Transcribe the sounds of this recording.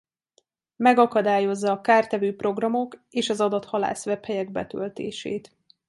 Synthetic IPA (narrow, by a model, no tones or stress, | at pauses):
mɛɡɒkɒd̪aːjo̞zːɒːkaːrt̪ɛvøːpro̞ɡrɒmo̞keːʃɒzɒd̪ɒt̪hɒla̰ːsvɛphɛjɛɡ̚bɛ̰t̪ø̰lt̪ḛːʃḛːt̪